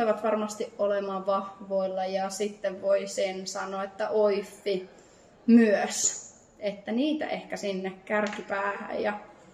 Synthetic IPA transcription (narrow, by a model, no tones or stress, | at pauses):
eʋɑt̪ʋɑrmɑst̪iʔʔolemɑʋɑhʋoilːɑjɑsit̪ːeʋʋoisensɑnˑoːet̪ːæʔoifːi | myøs | et̪ːæniːt̪æ̰ʔehkæsinːekkærkipæːhæ̰jjɑ